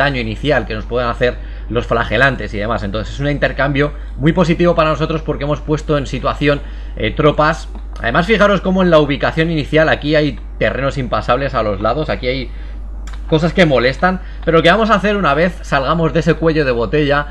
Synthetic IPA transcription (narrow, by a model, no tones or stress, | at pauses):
aɲo̞iniθjalke̞no̞spwe̞ðanaθe̞ɾ | lo̞sflaxe̞lant̪e̞siðe̞masent̪onθse̞suneint̪e̞ɾkambjo̞ | mujpo̞s̬it̪iβo̞paɾano̞so̞t̪ɾo̞spo̞ɾkee̞mo̞spwe̞st̪o̞e̞nsit̪waθjo̞n | et̪ɾo̞pas | a̰ðe̞masfixaɾo̞sko̞moe̞nlauβ̞ikaθjo̞niniθjalakiaj | t̪e̞rʔe̞no̞simpasaβ̞le̞salo̞zlaðo̞sakiaj | ko̞saske̞mo̞le̞st̪an | peɾolo̞ke̞βamo̞s̬aθe̞ɾunaβ̞e̞θsalɣ̞amo̞zðe̞se̞kwe̞ʎo̞ð̞e̞β̞o̞t̪e̞ʎa